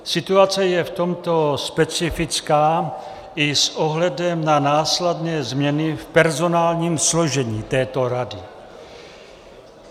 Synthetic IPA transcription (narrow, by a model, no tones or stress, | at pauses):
sɪt̪uat͡sɛjɛft̪o̞mt̪o̞spɛt͡sɪfɪt͡skaː | ʔɪsʔoɦlɛdɛmnanaːslɛdnɛːzmɲɛnɪfpɛɾzo̞naːlɲiːmsloʒɛɲiːt̪ɛːt̪o̞ɾadɪ